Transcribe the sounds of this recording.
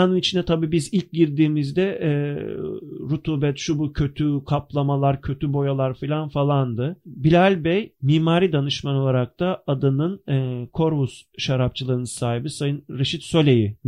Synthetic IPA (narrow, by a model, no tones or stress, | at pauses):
anɯnit͡ʃʰind̪ɛt̪ʰabiːbizilʲc̚ɟiɾd̪iːmizd̪ɛʔ | ɾut̪ʰuːbɛt̪ʃubucʰø̞t̪ʰykʰaplˠamalˠaɾcʰø̞t̪ʰybo̞jalˠaɾfilʲanfalˠand̪ɯbilʲalʲbɛjmiːmaːɾid̪anɯʃmano̞lˠaɾak̚t̪ʰaad̪ɯnɯnɛkʰo̞ɾbusʃaɾap̚t͡ʃʰɯlˠɯɾɯnɯsaːɦibisajɯnɾeʃit̪sølʲe̞ji